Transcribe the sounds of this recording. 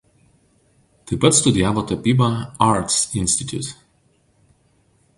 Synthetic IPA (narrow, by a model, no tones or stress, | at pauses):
t̪ɐɪpɐt̪st̪ʊd̪ʲɪæːʋoːt̪ɐpʲiːbɐɑɾt̪sɪnʲsʲt̪ʲɪt̪ʲjṵt̪